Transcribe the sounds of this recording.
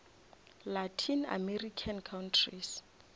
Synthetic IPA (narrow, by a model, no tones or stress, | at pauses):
latʰina̰merikʰankʰawntʰris